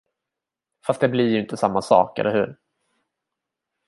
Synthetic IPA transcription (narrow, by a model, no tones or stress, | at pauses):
fast̪̚d̪ɛblɪɾjɵʏɪnt̪əsamːasɑ̰ːkɛ̰lːəɾhʉ̟̰ːɾ